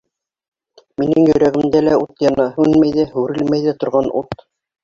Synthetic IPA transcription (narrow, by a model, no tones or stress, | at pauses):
minɘŋjɵ̆jɾæɣɘ̆md̪ælæut̪jɑnɑhʉnmæjðæhʉɾɘlmæjðɘt̪ŏɾʁɑnʔṵt̪